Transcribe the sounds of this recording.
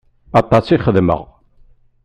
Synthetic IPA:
ɑt̪ːɑsiχəðmə̰ʁ

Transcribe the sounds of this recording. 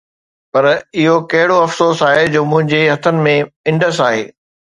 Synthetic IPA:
pɐɾɪɦokɐɦɪɽoɐfsoːsaːɦed͡ʑoːmʊ̃ɦɪ̃ɲd͡ʑeɦɐt̪ʰənɪ̆mẽɪ̃ɳɖəsaːɦḛː

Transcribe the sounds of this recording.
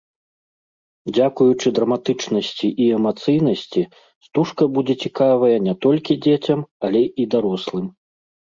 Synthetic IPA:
d͡zʲakujut͡ʂɨd̪ɾɐmat̪ɨt͡ʂnɐsʲt͡sʲiʔiɛmat̪sɨjn̪ɐsʲt͡sʲi | st̪uʂkɐbud͡zʲɛt͡sʲikavɐjɐnʲɛt̪ɔlʲkʲid͡zʲet͡sʲɐmɐlʲɛid̪aɾɔslˠɨm

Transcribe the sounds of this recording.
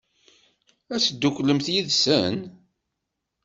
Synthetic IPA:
æsd̪ːukʷːləmθjiðsən

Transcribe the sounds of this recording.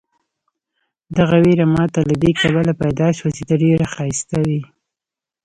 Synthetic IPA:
d̪aɣaweɾamɑt̪alad̪ekaβalapajd̪ɑʃwat͡ʃed̪aɖeɾaxɑjst̪awi

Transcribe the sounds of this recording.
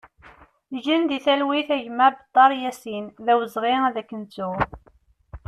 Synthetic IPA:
ʒənd̪iθælwiθæʝmæbət̪ˤːɑɾˤjæsinðæwəzˤʁiðækːənt͡sːu

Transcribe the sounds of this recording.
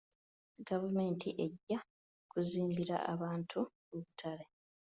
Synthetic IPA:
ɡavume̞ːntʰiʔe̞ɟːa | kuziːmbiɾa̰ʔa̰βaːntʰu | uβutʰaɾe̞

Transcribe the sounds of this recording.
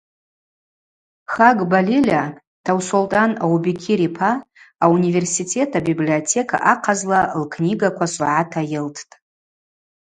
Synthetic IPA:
χaɡbalilʲa | tʰawsoltʼanawubikʲʰiɾipʰaːunive̞rsitʰe̞tʰabibliotʰe̞kʰʼa̰ʔaqʰazlalkʰniɡakʷʰasʼṵʕatʰajɪltʰtʼ

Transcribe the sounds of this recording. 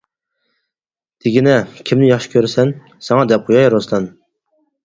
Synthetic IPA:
d̪̥ʰɪɡʲinɛkʲʰimnɪjɑχʃi̥kʲʰøɾɪsɛn | sɛŋɑd̪ɛp̚qʰojɑjɾoslɛn

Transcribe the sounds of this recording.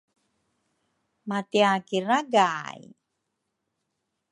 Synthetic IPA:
mat̪iakiraɡaːji

